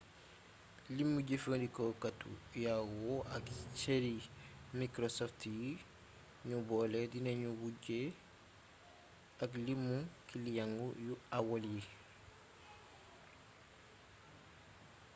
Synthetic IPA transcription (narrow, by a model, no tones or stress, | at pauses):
limːuɟefədikokatṵjawɔʔakt͡ʃeɾimikɾosɔftji | ɲubɔledineɲubuɟe | aklimːukilijaŋɡujuawolji